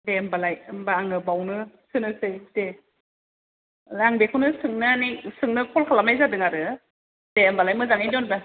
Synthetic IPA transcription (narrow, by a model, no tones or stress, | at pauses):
bembalajmbaːŋɯbawnɯ | sɯnɯsɯjde | laŋbekʰɯnɯsɯŋnɯnisɯŋnɯkʰɔlkʰalamajzadɯŋaɾɯ | d̥embalajmɯzaŋajdɔnba